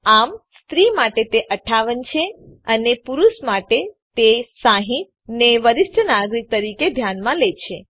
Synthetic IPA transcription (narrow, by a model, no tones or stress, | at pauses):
amst̪ɾimaʈet̪eʔəʈʰːaʋənt͡ʃʰeənepuɾuʃmaʈet̪esaɦĩt̪ | neʋəɾɪʃʈʰənaɡɾik̚t̪əɾiked̪ʱjanmãlet͡ʃʰe